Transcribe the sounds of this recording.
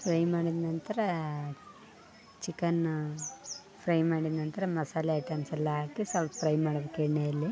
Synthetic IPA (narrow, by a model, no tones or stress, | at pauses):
pʰɾɐjmaːɽid̪nɐnt̪ɐɾɐ | t͡ʃikɐn | pʰɾɐjmaːɽid̪nɐnt̪ɐɾɐmɐsaːleɐʈːaːnsɛlːɐaːkisɐlp̪pʰɾɐjmaːɽɐbekːeɽnejɐlːi